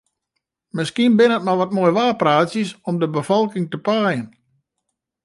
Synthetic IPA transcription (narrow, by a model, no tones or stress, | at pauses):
mɪskiənbɪnət̚maʋɔt̚mojʋaːpraːsjəsɔmdəbəfɔlˠkɪŋtəpajən